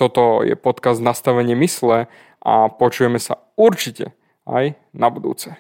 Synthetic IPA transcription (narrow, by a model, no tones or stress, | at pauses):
t̪ɔt̪ɔjɛ̰pɔt̪kazd̪nast̪aʋɛɲɪɛmislɛ | ʔa̰pɔt͡ʃujɛmɛsa̰ | uɾt͡ʃicɛ̰ | a̰j | nabud̪ṵːt͡sɛ